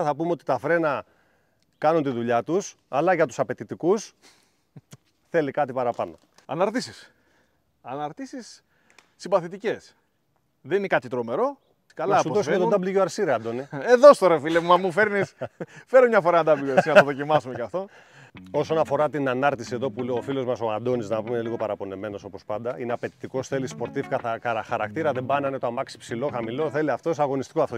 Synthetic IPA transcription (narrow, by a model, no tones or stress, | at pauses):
θɐpumeot̪i̥t̪ɐfɾe̞nɐ | kɐnunt̪iðuʎɐt̪us | ɐlɐʝɐt̪usɐpe̞t̪it̪ikus | θe̞likɐt̪ipɐɾɐpɐno̞̰ | ɐnɐɾt̪isis | ɐnɐɾt̪isisː | imbɐθit̪ice̞s | ðeninekɐt̪it̪ɾo̞me̞ɾo̞ | kɐlɐsuoseðod̪ɐbliʝoɐɾsiɾɐd̪o̞nieðo̞st̪oɾefileumɐmufe̞ɾnisfeɾomɲɐfoɾɐnɐd̪ɐbiosinɐoðo̞cimɐsumecɐft̪o̞ | o̞so̞nɐfo̞ɾɐt̪inɐnɐɾt̪isie̞ðo̞pulofilo̞zmɐso̞ɐnd̪o̞niznɐpumeliɣo̞pɐɾɐpo̞ne̞me̞noso̞po̞spɐnd̪ɐineɐpe̞t̪i̥t̪iko̞sθe̞lispo̞ɾt̪ifkɐθɐkɐɐxɐɾɐkt̪iɾɐðe̞bɐnɐinet̪oamɐksipsilo̞xɐmilo̞θe̞liɐft̪osɐɣo̞nist̪i̥koɐft̪o